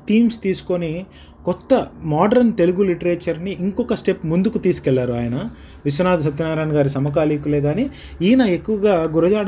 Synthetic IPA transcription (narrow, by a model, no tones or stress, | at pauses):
ʈiːmst̪iːsu̥ko̞ni | kɔt̪ːɐmaːɖɐɾnt̪e̞luɡuliʈɐɾeːt͡ʃɐɾniʔːŋkɔkɐsʈe̞pmund̪ukut̪iːsu̥kɛɭːaːɾuaːjɐnɐ | ʋisɐnaːd̪ɐs̬ɐt̪ːinaːɾaːnɐɡaːɾisɐmɐkaːliːkule̞ːɡaːni | iːnɐe̞kːuʋɐɡaːɡuɾɐd͡ʒaːɽ